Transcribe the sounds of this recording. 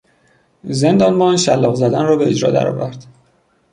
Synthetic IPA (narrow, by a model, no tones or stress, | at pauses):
ze̞nd̪ɒːnbɒnʃælːɒːɣzæd̪ænrɒːbe̞ed͡ʒɾɒ̰ːd̪æ̰ɾɒ̰ːvæɾd̪̥